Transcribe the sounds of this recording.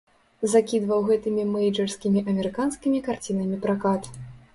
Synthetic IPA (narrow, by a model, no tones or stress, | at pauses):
zakʲid̪vɐwɣɛt̪ɨmʲimɛjd͡ʐɛrskʲimʲiʔɐmʲɛɾɨkanskʲimʲikart͡sʲinɐmʲipɾakat̪